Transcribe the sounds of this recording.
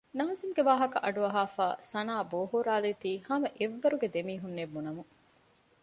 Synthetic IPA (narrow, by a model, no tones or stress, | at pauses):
naːzimɡeʋaːɦɐkɐʔɐɖuɐɦaːfaːsɐnaːboːɦuɾaːlit̪iːhɐmɐʔeʋːɐɾuɡed̪emiːɦunːebːunɐmu